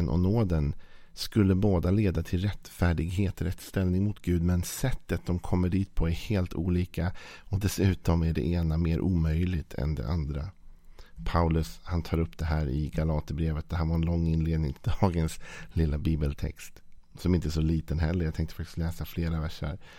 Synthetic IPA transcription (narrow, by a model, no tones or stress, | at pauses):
ənʔɔ̰noːd̪ənskɵlːəboːd̪aleːd̪at̪ʰɪlɾɛt̪fæːɖɪɡɦeːt̪ɔɾɛt̪ːst̪ɛlnɪŋmʊt̪ɡʉ̟ːd̪mɛnsɛt̪ːət̪̚d̪ɔmkʰɔmːəɖiːt̪̚pʰɔæheːlt̪ṵːliːkaɔd̪ɛsʉ̟ːt̪ɔmæɖɛ̰ʔeːnameːɾʔuːmœjlɪɡt̪ʰɛ̰nd̪ɛ̰ʔand̪ɾa | pʰaʊlɵshant̪ʰɑːɾɵpːd̪̥ɛɦæːɾɪ̰ɡalɑːt̪əbɾeːvət̪̚d̪ɛɦæːɾvaɾɛnlɔŋːɪnleːd̪nɪ̰ŋt̪ʰɪld̪ɑːɡənslɪlːabiːbəlt̪ʰɛ̰kst̪ | sɔmɪnt̪əɛːsɔliːt̪ənɦɛlːəɾjat̪ʰɛŋkt̪əfakt̪ɪst̪lɛːsafleːɾavæʂːə̰ɾ